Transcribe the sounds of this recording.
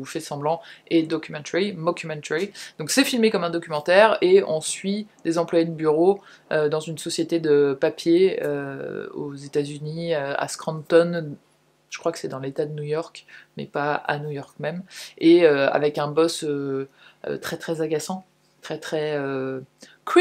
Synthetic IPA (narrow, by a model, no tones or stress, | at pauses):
ufɛsɑ̃blɑ̃ɛd̪ɔkʲymɑ̃t̪eʁimɔkʲymɑ̃t̪eʁid̪̥ɔ̃ksɛfilmekɔmɛ̃d̪ɔkʲymɑ̃t̪ɛʁeɔ̃sɥid̪̥ezɑ̃plwajed̪əbyʁo | ød̪ɑ̃zynsɔsjet̪ed̪əpapjeøo̰zet̪azyniøa̰skχɑ̃nt̪ɔn | ʒ̥ə̥kχwakə̥sɛd̪ɑ̃let̪ad̪ənujɔʁkmɛ̰paa̰nujɔʁk̚mɛmeøa̰vɛkɛ̃bɔsø | ø̰t̪χɛt̪χɛzaɡʲasɑ̃ | t̪χɛt̪χɛø | k